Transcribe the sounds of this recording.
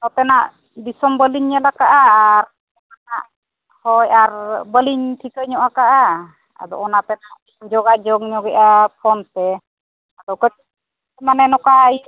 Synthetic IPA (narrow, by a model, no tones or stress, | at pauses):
t̪ɔp̪ɛnaʔ | d̪isɔmbəliɲːɛlakaʔaɾ | anaʔ | hɔjaɾbəliɲtʰikəɲɔʔakaʔa | a̰dɔ̰ɔnap̪ɛnaʔ | d͡ʒɔɡad͡ʒɔɡɲɔɡɛʔapʰɔnt̪ɛ | adɔwkət̪i | ɛmanɛnɔkaaj